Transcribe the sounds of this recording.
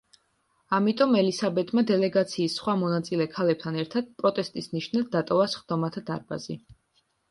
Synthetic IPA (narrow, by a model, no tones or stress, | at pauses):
amit̪ʼɔmɛlisabɛt̪ʼmad̪ɛlɛɡat̪sʰiːsːχwamɔnat̪sʼilɛkʰalɛp̚t̪ʰanɛɾt̪ʰad̪̥̚pʼɾɔt̪ʼɛst̪ʼisniʃnad̪̚d̪at̪ʼɔvasχd̪̥ɔmat̪ʰad̪a̰ɾba̰zi